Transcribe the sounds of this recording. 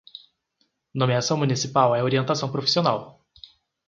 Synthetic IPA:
nõmiasɐ̃w̃munisipawɛoɾiẽnt̪asɐ̃w̃pɾofi̥sionaw

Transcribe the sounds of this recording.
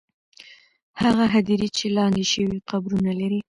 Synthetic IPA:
haɣaɦad̪iɾit͡ʃelɑnd̪eʃəwiqabɾunalaɾi

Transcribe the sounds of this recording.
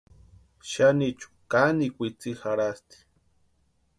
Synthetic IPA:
ʃanit͡ʃu̥kanikʷit͡sixaɾast̪i̥

